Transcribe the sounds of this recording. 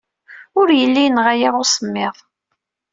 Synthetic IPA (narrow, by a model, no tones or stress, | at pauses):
ʊɾjəlːijnʁajaʁʊsˤəmːɪðˤ